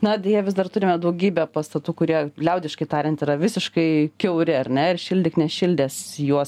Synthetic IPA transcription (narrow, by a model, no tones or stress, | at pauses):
nɐɐd̪ʲeɛjɛʋʲɪzd̪ɐrt̪ʊɾʲɪmʲɛd̪ɐʊɡʲiːbʲɛpɐst̪ɐt̪uːkʊɾʲiɛlʲɛʊd̪ʲɪʃkɐɪt̪ɑːɾʲɛnt̪ɪɾɐʋʲɪsʲɪʃkɐɪkʲɛʊɾʲɪɐɾʲnʲɛɪrʃʲɪlʲd̪ʲɪknʲɛʃʲɪlʲd̪ʲeːsjuɔs